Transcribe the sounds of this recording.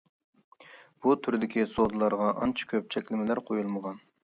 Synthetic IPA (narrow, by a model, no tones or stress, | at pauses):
b̥ut̪ʰyɾd̪ɪkʲisod̪ɨlˠɑɾʁɑʔɑ̰nt͡ʃʰɑ̥kʲʰøp̚t͡ʃʰɛkʲlɪmɪlæɾqʰojulˠməʁɑn